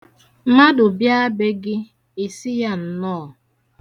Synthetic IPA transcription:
ma˦dʊ˨bja˦be˦ɡɪ˦ | i˨sɪ˦ja˦n̩˨nɔː˦˨

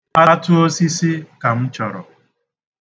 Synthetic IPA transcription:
a˦tʊ˦o˦si˦sɪ˦ka˨m̩˦t͡ʃɔ˨ɾɔ̰˨

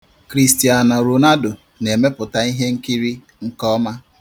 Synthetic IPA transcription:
kɾi˦sti˨a˨na˨ɾu˨na˦do˨ | ne˨me˦pʊ˨ta˦i˦ɦe˦ŋ̩˦ki˦ɾi˦ | ŋ̩˦kɔ˦ma˦

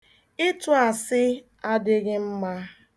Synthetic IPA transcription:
ɪ˦tu˦a˨sɪ˦ | a˦dɪ˦ɣɪ˦m̩˦ma˦

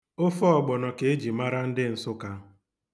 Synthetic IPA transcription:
ʊ˦fɔ˦ɔ˨ɡ͡bɔ˨nɔ˨ke˨e˦d͡ʒi˨ma˦ɾa˦n̩˦dɪ˦n̩˨sʊ˦ka˦

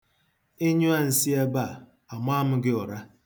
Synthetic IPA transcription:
e˦ɲu˦a˦n̩˨si˦a˦ba˦˨ | a˨ma˦mʊ˦ɡɪ˦ɔ˨ɾa˦

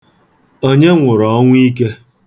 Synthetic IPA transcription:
o˦ɲe˦ŋʷʊ˨ɾɔ˨˦ŋʷ˦i˦k̬e˦

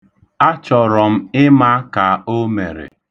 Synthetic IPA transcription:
a˦t͡ʃɔ˨ɾɔ˨m̩˦ɪ˦ma˦ka˨o˦mḛ˨ɾḛ˨

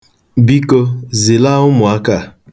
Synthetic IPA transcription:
bi˦ko˦zi˨la˦ʊ˦mʊ˨a˦ka˦˨

